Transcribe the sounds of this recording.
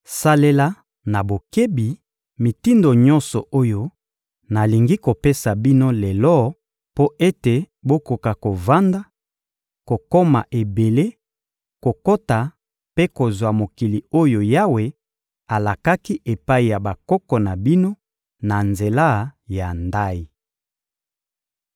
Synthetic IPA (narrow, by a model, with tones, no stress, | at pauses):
sa˦le˦la˦ | na˨bo˨ke˦bi˨ | mi˨ti˦ndo˨ɲɔ̃˦nsɔ˨ʔo˦jo˦ | na˨li˨ŋɡi˦ko˨pe˦sa˨bi˦no˦le˨lɔ˦ | po˦ʔe˦te˨ | bo˦ko˨ka˨ko˨va˦nda˦ | ko˨ko˦ma˨ʔe˨be˨le˦ | ko˨ko˦ta˨ | pe˦ko˨zwa˨mo˨ki˨li˨o˦jo˨ja˦we˨ | a˨la˨ka˦ki˦ʔe˨pa˦i˨ja˨ba˨kɔ˦kɔ˨na˨bi˦no˦ | na˨nze˨la˦ja˨nda˦i˨